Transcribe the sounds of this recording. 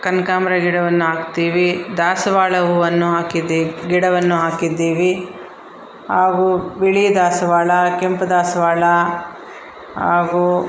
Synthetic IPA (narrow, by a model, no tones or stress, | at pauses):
kɐnkaːmɐɾɐɡiɽɐʋɐnːuɦaːkt̪iːʋid̪aːsɐʋaːɭɐuʋɐnːuɦaːkid̪iɡiɽɐʋɐnːuɦaːkid̪ːiːʋi | haːɡubiɭid̪aːsɐʋaːɭɐkempɐd̪aːsɐʋaːɭɐ | haːɡuː